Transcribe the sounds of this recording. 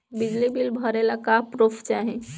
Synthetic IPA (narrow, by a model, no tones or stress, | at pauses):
bid͡ʒlibilbʱəɾelakapɾopʰt͡ʃaɦẽ